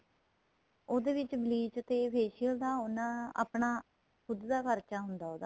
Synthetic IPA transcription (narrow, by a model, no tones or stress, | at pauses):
oːd̪eːʋɪt͡ʃbliːt͡ʃt̪eːpeːʃijəld̪aːonːãːa̰ːpɳãː | kʰʊd̪d̪aːpʰəɾt͡ʃaːɦʊnd̪aːoːd̪aː